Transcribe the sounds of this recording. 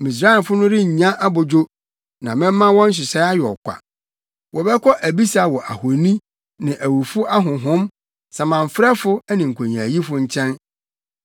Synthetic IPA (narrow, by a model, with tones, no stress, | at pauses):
mĩ˨s̬ɾa˦ɪ˨fʊ˦nʊ̃˦ɾɪ˦ɲ̩˨ɲã˦ʔa˦bʊ˨d͡ʑo˦ | nã˨mɪ̃˦m˦mã˦wɔ̃˦n̩˦ɕ̬ɪ˨sɛ˦a˦jɔ̰˨kʷa̰˨ | wʔɔ˨bɛ˦kʰɔ˦ʔæ˨bi˦sa˨wɔ˨ʔa˨ho˨nĩ˦ | nɪ̃˨ʔæ˨wu˨fʊ˦ʔa˦ɦʊ̃˨ɦʊ̃˦m | sa˨mã˨m̩˨fɾɛ˦fʊ˦æ˦nĩ˨ŋ̩˨kʷʰõ˨ɲ˨ã̰˨ji˦fʊ˦ɲ̩˦t͡ɕʰɛ̃˦n